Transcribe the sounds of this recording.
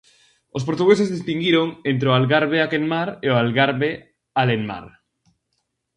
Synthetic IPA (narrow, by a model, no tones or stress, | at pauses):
ospoɾt̪uɣesezðist̪iŋɡiɾoŋent̪ɾeoalɣaɾβeakenmaɾeoalɣaɾβe | aleŋma̰ɾ